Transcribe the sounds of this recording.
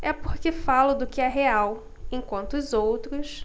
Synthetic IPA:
ɛpoɾkefalʊd̪ʊkɪɛɦeaw | ẽkwɐ̃nt̪ʊːzowt̪ɾʊs

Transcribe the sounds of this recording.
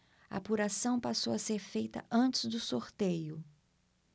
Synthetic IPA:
ɐ̰puɾasɐ̃w̃pasowɐseɾfejt̪ɐ̰ʔɐ̃nt͡ʃɪzd̪ʊsoɾt̪ejʊ

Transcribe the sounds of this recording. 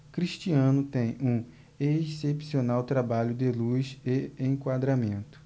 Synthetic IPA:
kɾiʃt͡ʃiɐ̃nʊt̪ẽj̃ũ | esepsionawt̪ɾabaʎʊd̪ɪluseẽj̃kwad̪ɾamẽnt̪ʊ̥

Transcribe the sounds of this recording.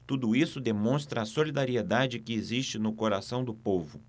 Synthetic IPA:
t̪ud̪ʊisʊd̪emõst̪ɾɐːsolid̪aɾied̪ad͡ʒɪkɪezist͡ʃɪnʊkoɾasɐ̃w̃d̪ʊpovʊ

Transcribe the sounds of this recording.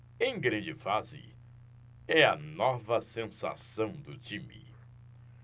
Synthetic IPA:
ẽj̃ɡɾɐ̃nd͡ʒɪfazɪ̰ | ɛɐnɔvɐsẽsa̰sɐ̃w̃d̪ʊt͡ʃĩmḭ

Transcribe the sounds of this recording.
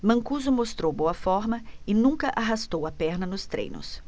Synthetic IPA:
mɐ̃kuzʊmost̪ɾowboɐfɔɾmɐɪnũŋkɐʔaɦast̪owɐpɛɾnɐnʊst̪ɾḛ̃jnʊ̰s

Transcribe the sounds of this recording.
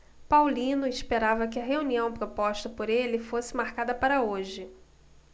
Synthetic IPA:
pawlĩnʊɪspeɾavɐkɪɐɦeuniɐ̃w̃pɾopɔʃt̪ɐpoɾelɪfosɪmaɾkad̪ɐpaɾɐoʒɪ

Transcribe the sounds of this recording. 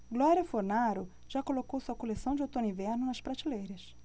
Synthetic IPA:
ɡlɔɾjɐfoɾnaɾʊ | ʒ̥akolokowsuɐkolesɐ̃w̃d͡ʒɪot̪õnĩvɛɾnʊnɐspɾat͡ʃilejɾɐs

